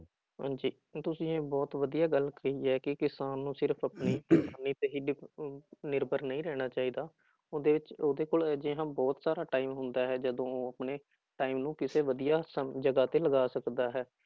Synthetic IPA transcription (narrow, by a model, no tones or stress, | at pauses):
ã̰ːɲd͡ʒiː | t̪ʊsĩːẽːbɔːt̪ʋəd̪ijaːɡəlkəiːɛːkɪkɪsaːnːũːsɪɾpʰəpniːksaːnːiːt̪eːɦiːɖ | nɪɾbəɾnəĩːɾɛːɽ̃aːt͡ʃaːiːd̪aː | oːd̪eːʋɪt͡ʃoːd̪eːkoːld͡ʒɪɦãːbɔːt̪saːɾaːʈaːimɦʊnd̪aːɦɛːd͡ʒəd̪õːoːəpneː | ʈaːimnũːkɪseːʋəd̪ijaːsəd͡ʒəɡaːt̪eːləɡaːsəkd̪aːɦɛː